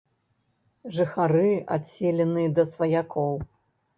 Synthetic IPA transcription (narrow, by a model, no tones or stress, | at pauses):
ʐɨxaɾɨa̰t̪sʲelʲɛnɨjɐd̪ɐsvɐjakʰɔw